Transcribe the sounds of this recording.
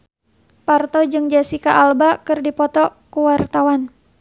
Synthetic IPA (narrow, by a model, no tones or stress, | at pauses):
part̪ɔd͡ʒɨŋd͡ʒasikaʔalbakɨrdipɔt̪ɔkuwart̪awan